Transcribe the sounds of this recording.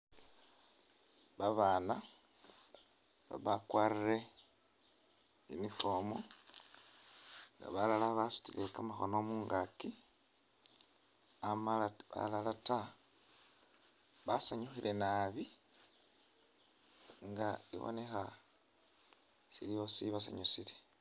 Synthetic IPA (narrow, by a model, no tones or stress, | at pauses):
βaβaːna | βa̰βakwarire̞ | ḭnifoːmo | ŋɡa̰βalalaβasu̥tilekamaxonomuːŋɡaki | amaa̰lalata | βasaɲuxile̞naβi | ŋɡaḭβo̰ne̞xa | siliβosiβasa̰ɲusile